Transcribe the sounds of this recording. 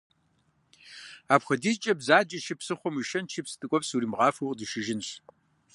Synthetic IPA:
aːpχʷɐdiːzt͡ʃʼɐbzaːd͡ʒʼɐʃɪpsɨχʷɔmiʃɐnt͡ʃʰipstʼɨkʷʼɔpsuɾiːmʁɑːfoqʼdɨʃɪʒɪnɕ

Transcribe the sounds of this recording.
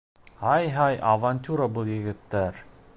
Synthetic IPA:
hɑjɦɑjʔɐvanʲt̪ʲuɾabɤlˠjɘ̆ɡɘ̆t̪ːæɾ

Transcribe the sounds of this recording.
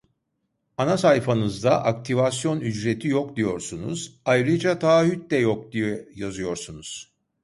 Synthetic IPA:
anasajfanɯzd̪aʔakt̪ʰivas̬jo̞nyd͡ʒɾet̪ʰijokd̪ijo̞ɾsunṵzajɾɯd͡ʒat̪ʰaːɦyt̪̚d̪ɛjok̚d̪ijɛjazɯjo̞ɾsunuz̥

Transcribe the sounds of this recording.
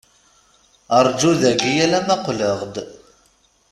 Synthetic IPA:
əɾˤd͡ʒuðæɡijælæmæqləʁd̪

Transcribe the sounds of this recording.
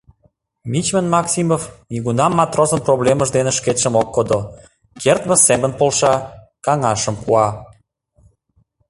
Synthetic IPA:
mit͡ɕmənmɑksʲimofniɣunɑmːɑt̪rozənprobleməʒd̪enĕʃket̪ʃə̆mokːod̪o | kert̪mə̆semə̆npolʃɑ | kɑŋɑʃə̆mpuɑ

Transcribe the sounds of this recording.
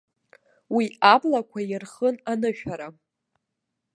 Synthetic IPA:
wiablakʷʰajɪrχənanɨʃᶣaɾa

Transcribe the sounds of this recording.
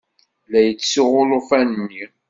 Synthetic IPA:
læjət͡sːsiʁʊlˤʊfænnːi

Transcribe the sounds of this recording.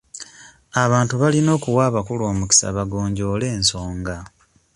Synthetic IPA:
aβaːntuβalino̞ːkuwaːβakulo̞ːmuki̥sa̰βaɡo̞ːɲɟo̞ːle̞ːnso̞ːŋɡa

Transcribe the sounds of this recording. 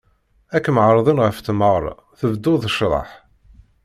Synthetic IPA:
ækːməʕɾˤɑðˤənʁəft̪məʁɾˤ | θəvd̪ːʊðˤəʃɾˤɑ̰ħ

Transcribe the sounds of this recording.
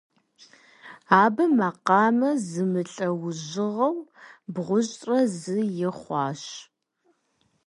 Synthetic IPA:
aːbɐmɐqɑːmɐzɨmɨɬʼɐwʊʑɪʁɐwbʁʷʊʑʼtʼrɐzɨjɪχʷɑːɕ

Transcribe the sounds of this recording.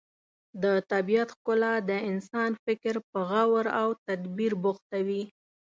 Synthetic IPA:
d̪ət̪abijat̪xkʊlad̪əɪnsɑnfɪkɾpəɣawɾawt̪ad̪biɾbʊxt̪awi

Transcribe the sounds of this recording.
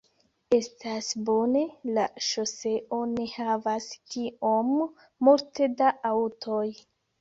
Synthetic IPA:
e̞stasbo̞ne̞laʃose̞ʔo̞ne̞havaskio̞mː | ulte̞daʔawtʰoj

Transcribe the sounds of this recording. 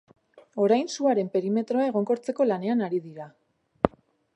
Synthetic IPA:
o̞ɾajnsuaɾe̞mpe̞ɾime̞t̪ɾo̞aeɣ̞o̞ŋko̞ɾt͡se̞ko̞lane̞anaɾiðiɾa

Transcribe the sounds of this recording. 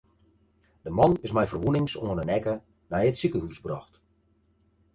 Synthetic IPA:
d̥əmɑnɪsmɛjfərʋunɪŋsoənənɛkə | nɛjətsikəhusbrɔxt

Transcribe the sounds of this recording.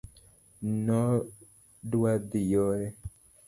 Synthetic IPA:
nɔ | ɖuad̪ijɔɾɛ

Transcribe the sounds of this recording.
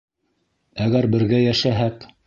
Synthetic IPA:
æɣɡæɾbɘ̆ɾɣæjæʃæɦæk

